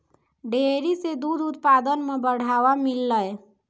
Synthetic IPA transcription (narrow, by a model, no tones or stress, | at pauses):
ɖʱeɾised̪ud̪ut̪pad̪ənmebəɽ̤aʋamilːəj